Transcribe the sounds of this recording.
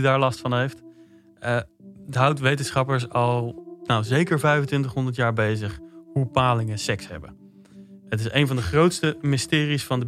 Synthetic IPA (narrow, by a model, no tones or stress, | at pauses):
daːɹlɑstfɑnɦejft | tɦʌwtʋejtənsχɑpəɹs̬ɑlˠnawzejkəɹvɛjvəntʋɪntəχɦɔndəɹtjaːɹbejzəχɦupaːlɪŋəsɛksɦɛ̰bə | ətɪsejnvɑndəχrowtstəmɪstɪːrisfɑndə